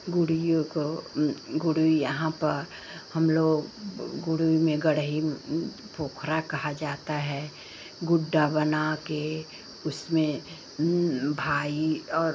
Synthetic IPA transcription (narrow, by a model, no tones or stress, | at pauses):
ɡʊɽujko | ɡʊɽuijəɦãpɐɾ | hɐmloːɡɡʊɽuimẽɡəɽɦi | pʰoːkʰɾakɐɦad͡ʒaːt̪aɦɛː | ɡʊɖːabənake | ʊsmẽ | bʱaːiɔːɾ